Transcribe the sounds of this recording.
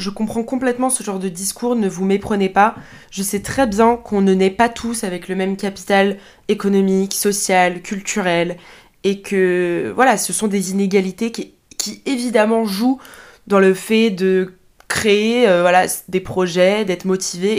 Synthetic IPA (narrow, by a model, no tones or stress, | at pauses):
ʒəkɔ̃pχɑ̃kɔ̃plɛt̪mɑ̃səʒɑ̃ʁd̪əd̪iskʰuʁnəvumepχənepa | ʒəsɛt̪χɛbjɛ̃kʰɔ̃nənɛpat̪ʰusavɛkləmɛmkʲapi̥t̪al | ekɔnɔmiksɔsjalkʲylt̪yʁɛl | ekʰəvwalasəsɔ̃d̪ezineɡʲalit̪ek | kʲievid̪amɑ̃ʒu | d̪ɑ̃ləfɛd̪ə | kχeeøvwalad̪epχɔʒɛd̪ɛt̪χmɔt̪ʰive